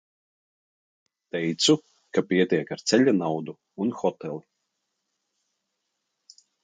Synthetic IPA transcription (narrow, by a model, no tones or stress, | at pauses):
t̪ɛjt̪su | kapiɛt̪ʲiɛkaɾt̪sɛʎʲanawd̪u | unxɔt̪ɛlˠi